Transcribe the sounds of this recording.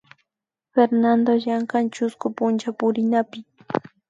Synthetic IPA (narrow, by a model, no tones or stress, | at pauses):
feɾnand̪ojaɴkant͡ʃʊskʊpʊnt͡ʃapʊɾɪnapɪ